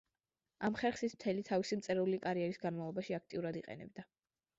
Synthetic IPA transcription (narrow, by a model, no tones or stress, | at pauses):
amχɛɾχsismt̪ʰɛlit̪ʰavisimt̪sʼɛɾɛulikʼaɾiɛɾisɡanmavlˠɔbaʃiak̚ʰt̪ʼiuɾad̪iqʼɛ̰nɛ̰b̚d̪a